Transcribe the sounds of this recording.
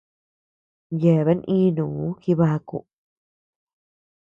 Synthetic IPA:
je˨βe˧˦nʔĩ˦nũ˨˦ki˧βa˧kṵ˧˨ʔ

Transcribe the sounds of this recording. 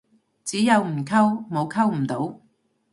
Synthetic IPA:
t͡siː˨˥jɐ˨˧wm̩˨˩kʰɐ˥wmo˨˧wkʰɐ˥wm̩˨˩t̪o˨˥w

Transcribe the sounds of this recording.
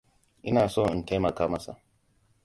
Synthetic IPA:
ʔḭ˦naː˨sɔ˦˨n̩˨te˦ma˨ka˦ma˦sa̰˦

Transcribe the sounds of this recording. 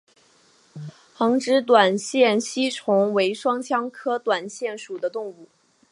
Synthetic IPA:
xɤ˧˥ŋʈ͡ʂɻ̩˧˥t̪̬wa˨˩nɕjɛ˥˩nɕi˥ʈ͡ʂʰʊ˧˥ŋwe˧˥ɪʂwɑ˥ŋt͡ɕʰjɑ˥ŋkʰɤ˥t̪wa˨˩nɕjɛ˥˩nʂu˨˩d̪ə˦t̪ʊ˥˧ŋu˥˩

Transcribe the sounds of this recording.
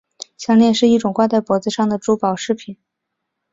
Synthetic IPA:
ɕjɑ˥˧ŋljɛ˥˧nʂɻ̩˥˧i˥˩ʈ͡ʂʊ˨˩ŋkwa˥˧t͡sa˥˩ɪpwɔ˧˥t͡sɹ̩˧ʂɑ˥˩ŋd̪ə˩ʈ͡ʂu˧˥pɑ˨˩ʊʂɻ̩˥˩pʰi˨˩˦n

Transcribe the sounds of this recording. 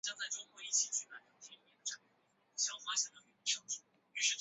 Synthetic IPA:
t͡ɕjɑ˥ŋt͡sa˥˩ɪʈ͡ʂʊ˥ŋkwɔ˧˥i˥˩t͡ɕʰi˨˩t͡ɕʰy˥˩la˧˥ɪt̪ɑ˧˥t̪ʰi˥i˨˩jɛ˧˥nd̪ə˩ʈ͡ʂa˥˩pɕi˧˥˩fa˥ɕjɛ˥˩d̪ə˨˩i˨˩i˧˥ʂʰɤ˥˩ŋt͡ɕu˥˩ | y˧˥ʂɻ̩˥˧˩

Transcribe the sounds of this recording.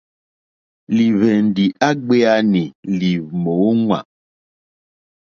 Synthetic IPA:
li˨βɛ˨n˨di˨ʔa˦ɡ͡be˦a˦ni˨li˨mo˨˦ŋwa̰˨

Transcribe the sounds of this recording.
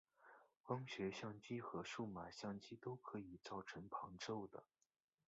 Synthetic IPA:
kwɑ˥ŋɕɥɛ˧˥ɕjɑ˥˧ŋt͡ɕi˥xɤ˧˥ʂu˥˩ma˨˩ɕjɑ˥˩ŋt͡ɕi˥t̪o˥ʊkʰɤ˧˥i˨˩t͡sɑ˥˩ʊʈ͡ʂʰɤ˧˥ŋpʰɑ˧˥ŋʈ͡ʂo˥ʊd̪ə̰˩

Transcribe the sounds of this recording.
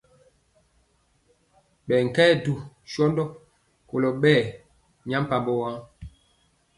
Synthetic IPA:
ɓɛ˨ŋ̩˨kɛː˦du˨ | ʃɔ˦ndɔ˦ | ko˨lɔ˨ɓɛː˦˨ | ɲa˦m˦pa˨mbɔ˦wa˦

